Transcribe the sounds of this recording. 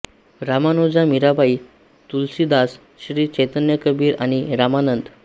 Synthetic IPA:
ɾamanod͡zamiɾabai | t̪ulsid̪as | ɕɾiːt͡ɕet̪ənjəkəbʱiːɾaɽ̃iɾamanənd̪

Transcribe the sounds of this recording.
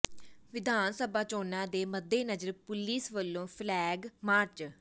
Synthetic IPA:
ʋɪd̪ʱaːnsəbaːt͡ʃoːnãːd̪eːməd̪ːeːnəd͡ʒəɾpʊliːsʋəlːõːpʰlɛːɡmaːɾt͡ʃ

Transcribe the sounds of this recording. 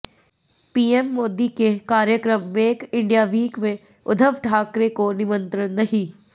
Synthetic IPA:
piːɛmːoːd̪ikekaːɾjəkɾəmːeːkɪ̃ɳɖijaʋiːkʋe | ʊd̪ʱəʋʈʰaːkɾekonɪʋə̃nt̪ɾənːɐɦiː

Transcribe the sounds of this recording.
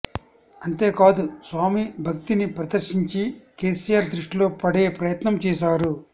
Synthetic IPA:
ɐnt̪e̞ːkaːd̪usʋaːmibʱɐk̚t̪inipɾɐd̪ɐɾʃiɲt͡ʃike̞ːsiːjaːɾd̪ɾuʂʈilo̞ːpɐɽe̞ːpɾɐjɐt̪nɐmt͡ʃɛːʃaːɾu

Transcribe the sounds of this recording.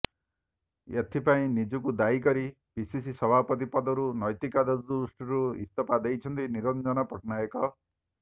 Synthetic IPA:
et̪ʰipaĩnid͡ʒukud̪aikɔɾi | pisisisɔbʱapɔt̪̬ipɔd̪ɔɾunɔjt̪ikad̪ɔd̪usʈiɾuḭst̪ɔpad̪ejt͡ʃʰʌnt̪iniɾɔnd͡ʒɔnɔpɔʈʰnaekɔ

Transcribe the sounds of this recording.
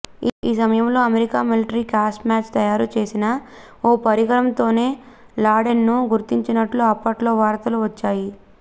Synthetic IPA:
iːsɐmɐjɐmlo̞ːɐmeɾikaːmiliʈɐɾikaːsʈmaːt͡ʃt̪ɐjaːɾut͡ʃe̞ːsinɐ | oːpɐɾiɡɐɾɐmt̪o̞ːne̞ː | laːɖenːuɡuɾt̪iɲt͡ʃinɐʈluɐpːɐʈlo̞ːʋaːɾt̪ɐluʋɐt͡ʃːaːji

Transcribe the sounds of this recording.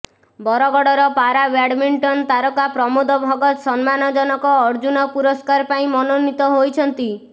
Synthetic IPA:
bɔɾɔɡɔɽɔɾɔpaɾabaɽmiɳʈɔnt̪aɾɔkapɾɔmod̪ɔbʱɔɡɔt̪sɔnmanɔd͡ʒɔnɔkɔːɾd͡ʒunɔpuɾɔskaɾpaĩmɔnonit̪ɔɦojt͡ʃʰɔnt̪i

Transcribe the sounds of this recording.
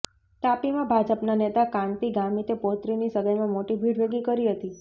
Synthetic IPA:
t̪apimãbʱad͡ʒəpnanet̪akãɳt̪iɡamit̪epot̪ɾinisəɡəjmãmoʈibʱiɖʋeɡikəɾiɦət̪i

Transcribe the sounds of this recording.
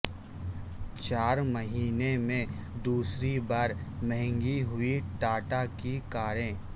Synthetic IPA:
t͡ʃaːɾməɦiːnemẽd̪uːsɾibaːɾmɛɦɛ̃ŋɡiɦʊiʈaːʈakikaːɾẽː

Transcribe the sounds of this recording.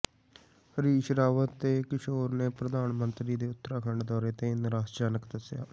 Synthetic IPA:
ɾiːʃɾaːʋət̪ːeːkɪʃoːɾneːpɾəd̪aːnmənt̪ɾiːd̪eːʊt̪ːəɾaːkʰəɳɖd̪ɔːɾeːt̪ẽːɪnɾaːsd͡ʒaːnəkd̪əsja̰ː

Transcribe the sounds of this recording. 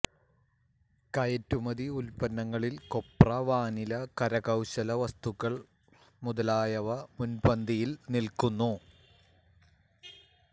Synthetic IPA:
kɐjɐtːumɐðiulpɐnːɐŋːɐɭilko̞prɐʋaːnilɐkɐɾɐɣɐwɕɐlɐʋɐst̪uɣːɐɭ | muðɐlaːjɐʋɐmunbɐnd̪ijilnilkunːu

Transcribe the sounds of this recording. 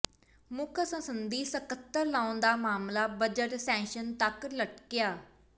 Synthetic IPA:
mʊkʰsə̃sənd̪iːsəkət̪ːəɾlaːond̪aːmaːmlaːbəd͡ʒəʈsɛ̃ːŋkʃənt̪əkləʈkɪjaː

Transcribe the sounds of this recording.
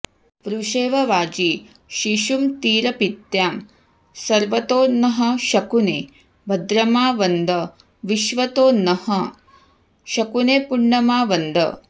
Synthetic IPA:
pɾuʃeːʋɐʋaːd͡ʒi | ʃiʃumt̪iːɾɐpit̪jaːm | sɐɾʋɐt̪oːnɐɦɐ̆ʃɐkunḛː | bʱɐd̪ɾɐmaːʋɐnd̪ɐ | ʋiʃʋɐt̪oːnɐhɐ | ʃɐkuneːpuɳːɐmaːʋɐnd̪ɐ̰

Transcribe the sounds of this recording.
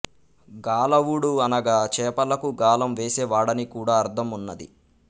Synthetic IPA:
ɡaːlɐʋuɽuɐnɐɡaːt͡ʃɛːpɐlɐkuɡaːlɐmʋeːseːʋaːɽɐnikuːɽaːɐɾt̪ʰɐmunːɐd̪ḭ

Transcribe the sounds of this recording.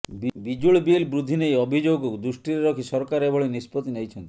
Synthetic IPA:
bbid͡ʒuɭbielbɾud̪ʱːinejɔbʱid͡ʒoɡɔkud̪usʈiɾeɾɔkʰisɔɾkaɾebʱɔɭenispɔt̪inejt͡ʃʰɔnt̪ii

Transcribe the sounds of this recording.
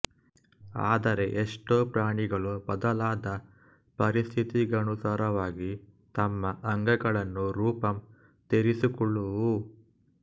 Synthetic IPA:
aːd̪ɐɾe̞ʔeʂʈoːpɾaːɳiɡɐɭubɐd̪ɐlaːd̪ɐ | pɐɾist̪ʰit̪iɡɐnusaːɾɐʋaːɡi | t̪ɐmːɐʔɐŋɡɐɡɐɭɐnːuɾuːpɐm | t̪eɾisukɔɭːuʋu

